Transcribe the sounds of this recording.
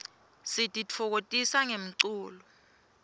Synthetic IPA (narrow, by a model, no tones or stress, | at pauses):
sitʼit͡fʰɔk̬otʼisaŋem̩ǀuːlɔ